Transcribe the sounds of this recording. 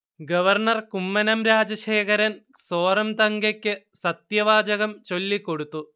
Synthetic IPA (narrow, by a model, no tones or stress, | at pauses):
ɡɐʋɐrɳɐrkumːɐnɐmɾaːd͡ʑɐʂeːkʰɐɾɐn | soːɾɐmt̪ɐŋɡɐkʲːɨsɐt̪jɐʋaːd͡ʑɐɣɐmt͡ɕo̞lːiko̞ɽut̪ːu